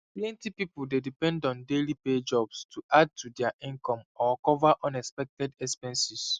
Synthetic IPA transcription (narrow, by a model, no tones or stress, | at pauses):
plɛ̃ntipipuldedipɛ̃ndɔ̃ndeliped͡ʒɔb̥stʰuʔad̚tudɛaʔĩnkɔ̃mɔkɔvaʔɔ̃nɛkspɛk̚tɛdɛkspɛ̃nsis